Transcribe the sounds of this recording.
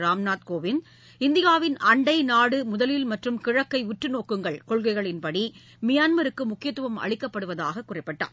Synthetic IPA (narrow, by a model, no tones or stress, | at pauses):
ɾaːmnaːt̪koːʋɪn | ɪnd̪ɪjaːʋɪnɐɳɖɐɪnaːɽɯmʊðɐlɪlmɐʈrɯmkɪɻɐkːɐɪʋɪʈːrɯnoːkːɯŋɡɐɭkɔɭɣɐɪɣɐɭɪnpɐɽi | mɪjaːnmɐɾɯkːɯmʊkːɪjɐt̪ːɯʋɐmɐ̰ɻɪkːɐpːɐɽɯʋɐða̰ːɣɐkːʊrɐɪpːɐʈːa̰ː